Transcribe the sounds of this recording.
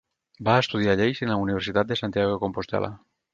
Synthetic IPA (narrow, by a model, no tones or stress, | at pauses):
baːest̪uðjaʎejsenlauniβ̞ɾsit̪at̪̚d̪esant̪jaɣ̞okompost̪ɛ̰lʔa̰